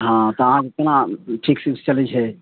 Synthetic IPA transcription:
ɦãt̪əɦãket̪nãʈʰiksist͡ʃəlɛt͡ʃʰɛ

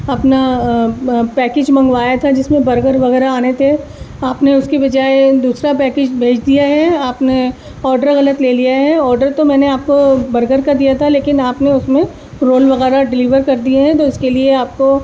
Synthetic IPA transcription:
ɐpna | pɛːked͡ʒmɐ̃ŋɡʋaːjat̪ʰad͡ʒɪsmẽbɐɾɡəɾʋɐɣɛːɾaaːnet̪ʰe | aːpneʊskebɐd͡ʒaːed̪uːsɾapɛːkeːd͡ʒbʱeːd͡ʒd̪ijaɦɛaːpne | ɔːɾɖəɾɣɐlət̪leːlijaɦɛɔːɾɖəɾt̪omɛ̃ːneaːp̚kobɐɾɡəɾkad̪ijat̪ʰaleːkɪnaːpneʊsmẽ | ɾoːlʋɐɣɛːɾaɖɪliːʋəɾkɐɾd̪ieɦɛ̃t̪oɪskelieaːp̚ko

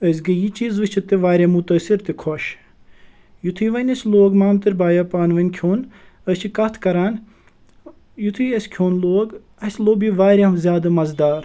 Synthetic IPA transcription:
əsʲɡɐjit͡ʃiːzʋɨt͡ʃʰit̪iʋaːɾʲemut̪ɐːsiɾt̪ikʰɔʃ | jut̪ʰɨːʋɐnʲɐsʲloːɡmaːmt̪ɨɾʲbaːjɐpaːnʋɐnʲkʰoːn | əst͡ʃʰikɐt̪ʰkɐɾaːn | jut̪ʰɨjɐsʲkʲʰjoːnloːɡ | ɐsʲloːbiʋaːɾʲeɦɐmzʲjaːd̪ɨmɐzd̪aːɾ

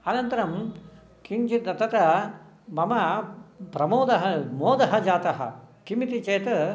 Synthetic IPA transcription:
ɐnɐnt̪ɐɾɐm | kiŋt͡ʃit̪ɐt̪ɐt̪ɐ | mɐmɐpɾɐmoːd̪ɐɦɐmoːd̪ɐɦɐd͡ʒaːt̪ɐɦɐ̰kimit̪it͡ʃeːt̪ɐ

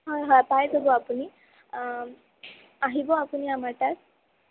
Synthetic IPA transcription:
ɦɦpajd̪ɔboapuni | aɦibɔapuniamaɾʈas

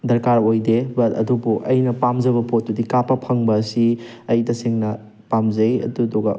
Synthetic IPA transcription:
dɐɾkaɾojdebɐtɐ̰dubuʔɐjnɐpamzɐbɐpʰot̚ːudikapɐpʰɐŋbɐsi | ɐjdɐsiŋnɐ | pamzɐjɐ̰dudoɡɐ

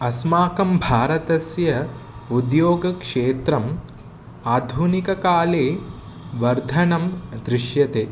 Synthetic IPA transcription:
ɐsmaːkɐmbʱaːɾɐt̪ɐsjɐ | ud̪joːɡɐkʂeːt̪ɾɐm | aːd̪ʱunikɐkaːleː | ʋɐɾd̪ʱɐnɐmd̪ɾɪʂjɐt̪eː

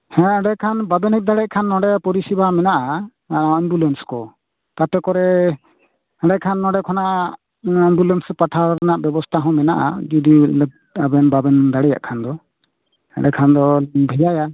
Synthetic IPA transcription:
hɛ̃ɖɛkʰanbabɛnɛc̚d̪aɽɛʔ̚kʰanːɔɖɛjapɔɾisibamɛnaʔa | aɛmbulɛnskɔ | t̪at̪ɛkɔɾɛ | ɛ̃ɖɛkʰanːɔɖɛkʰɔnaʔa | ɛmbulɛnsɛpaʈʰaɾnaʔbɛbɔst̪ʰaɦɔ̃mɛnaʔa̰d͡ʒɔd̪il̚ | abɛnbabɛnd̪aɽɛja̰ʔkʰand̪ɔ | hɛ̰ɖɛkʰand̪ɔbʱɛd͡ʒaja

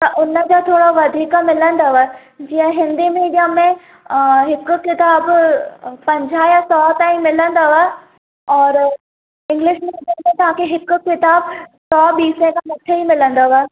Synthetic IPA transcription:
t̪ɐʔʊnəd͡ʑot̪ʰoːɽoʋɐd̪ʱiːkəmɪlə̃nd̪aʋə | d͡ʑiːə̃ɦɪ̃nd̪imiːɖijamẽ | ɦɪkʊ̆kɪt̪aːb | pɐ̃ɲd͡ʑʱajasɔːt̪aːĩmɪlə̃nd̪aʋə | ɔːɾ | ɪ̃ŋɡlɪʃmiːɖijamẽt̪ɐʋ̤ãːkʰeɦɪkʊ̆kɪt̪aːbsɔːɓiːsẽkʰãmɐʈʰeimɪlə̃nd̪aʋa

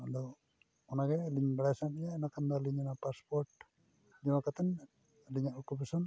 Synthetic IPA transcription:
ɔd̪ɔ | ɔnaɡɛliɲbəɽasanijanakand̪aliɲanapaspɔɾʈ | d͡ʒɛmakat̪ɛn | liɲaʔukupasɔn

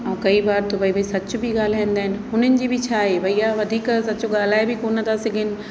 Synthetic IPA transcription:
ɐ̃ũkɐibaːɾt̪obʱɐibʱɐisɐt͡ɕʊbʱiɠaːl̤aːĩːnd̪aːɦɪnɪ̆ɦʊn̤ənɪ̆d͡ʑiːbʱɪt͡ɕʰaːɦebʱɐijaʋɐd̪ʱiːksɐt͡ɕoɠaːl̤aːebɪkoːnət̪ʰasɪɡʱɪnɪ̆

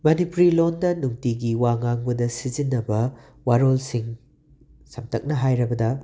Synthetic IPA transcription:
mɐnipuɾilondɐnuŋtiɡiwaŋaŋbɐdɐsizinːɐbɐ | waɾolsiŋ | sɐmtʰɐk̚nɐɦajɾɐbɐdɐ

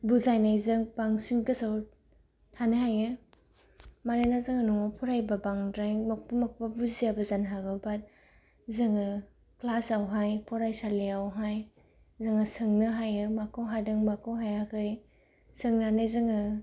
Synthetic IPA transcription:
buzajnajzɯŋbaŋsinkɯsaw | tʰanɯɦajɯ | maɾajnazɯŋanɔŋapʰɔɾajbabaŋdɾajmɔk̚pɯmɔk̚pabuzijabɐzanɦaɡɯwbat̚ | zɯŋɯ | klasawɦajpʰɔɾajsaliawɦaj | zɯŋɯsɯŋnɯɦajɯmakʰɯwɦadɯŋmakʰɯwɦajakʰɯj | sɯŋnanajzɯŋɯ

